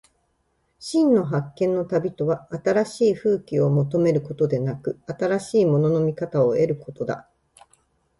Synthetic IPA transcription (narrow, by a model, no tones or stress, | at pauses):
ɕĩnnːo̞ɦakːẽ̞nːo̞t̪abʲit̪o̞βaːt̪aɾaɕiːɸɯ̟ːkʲio̞mo̞t̪̬o̞me̞ɾɯ̟ko̞t̪o̞d̪e̞nakɯ̟at̪aɾaɕiːmo̞no̞no̞mʲikat̪ao̞e̞ɾɯ̟ko̞t̪o̞d̪a̰